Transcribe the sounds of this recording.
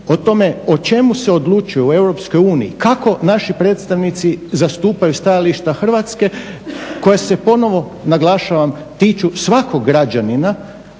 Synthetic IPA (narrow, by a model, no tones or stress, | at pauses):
ot̪o̞me̞o̞t͡ʃe̞muse̞o̞d̪lˠut͡ʃujue̞wɾo̞psko̞juːnijikako̞naʃipɾe̞ːt̪st̪aʋnit̪sizast̪uːpajust̪ajaliʃt̪axr̩ʋat̪ske̞ko̞jasepo̞no̞ʋo̞ | naɡlˠaʃaʋam | t̪iːt͡ʃusʋako̞ɡːɾad͡ʒanina